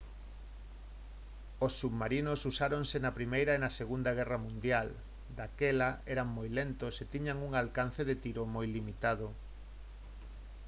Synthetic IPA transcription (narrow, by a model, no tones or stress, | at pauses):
osːuβmaɾinosusaɾoŋsenɐpɾimejɾɐenɐseɣund̪aɣ̞ɛrɐmũnd̪jal | d̪akɛlaɛɾaŋmojlent̪oʊset̪iɲaŋuŋalkan̟θeðet̪iɾomojlimit̪að̞o